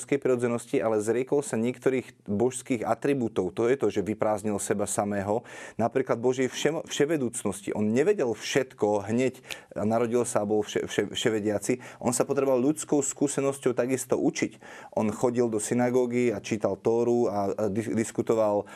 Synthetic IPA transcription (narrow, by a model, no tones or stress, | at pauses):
skɛjpɾiɾɔd͡zɛnɔsciʔalɛzɾɪɛkɔlsaɲɪɛkt̪ɔɾiːxbɔʃskiːɣa̰t̪ɾibut̪ɔʊt̪ɔjɛt̪ɔʒɛʋipɾaːzɲilsɛbasamɛːɦɔnapɾiːklad̪̚bɔʒɛjfʃɛfʃɛʋɛd̪uːt͡snɔscḭʔɔnɲɛʋɛɟɛlfʃɛt̪kɔɦɲɛcanaɾɔɟilsaːbɔlfʃɛ̰fʃɛfʃɛʋɛɟɪat͡siʔɔnsapɔt̪ɾɛbɔʋalʎut͡skɔʊskuːsɛnɔscɔʊt̪aɡist̪ɔʔut͡ʃic | ʔɔnxɔɟild̪ɔsinaɡɔːɡiat͡ʃiːt̪alt̪ɔːɾuad̪id̪iskut̪ɔʋal